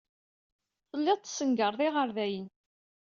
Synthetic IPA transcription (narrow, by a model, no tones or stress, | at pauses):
θəlːɪʁˤt̪ːsəŋɡəɾˤðˤiʁəɾðæjən